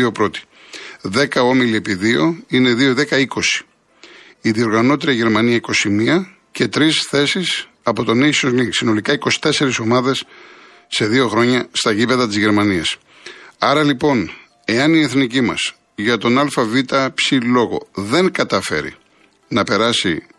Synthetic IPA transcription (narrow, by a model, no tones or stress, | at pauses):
iopɾo̞t̪i̥ | ðe̞kɐo̞milie̞piðio̞̰ine̞ðio̞ðe̞kɐiko̞si̥ | iðio̞ɾɣɐno̞t̪iɾɐʝe̞ɾmɐniɐiko̞simiɐ | ce̞t̪ɾisθe̞sis | ɐpo̞t̪o̞nesozliŋksino̞likɐiko̞si̥t̪e̞se̞ɾiso̞mɐðesː | e̞ðio̞xɾo̞ɲɐst̪ɐʝipeðɐt̪izʝe̞ɾmɐniɐs | ɐɾɐlipo̞n | e̞ɐnieθnicimɐ̰s | ʝɐt̪o̞nɐlfɐvit̪ɐpsilo̞ɣo̞̰ðe̞ŋkɐt̪ɐfe̞̰ɾḭ | nɐpe̞ɾɐsi